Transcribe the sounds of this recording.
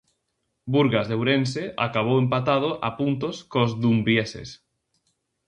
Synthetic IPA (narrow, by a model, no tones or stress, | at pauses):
buɾɣazðewɾenseʔa̰kaβ̞owempat̪að̞oʔapunt̪oskozðumbjesḛs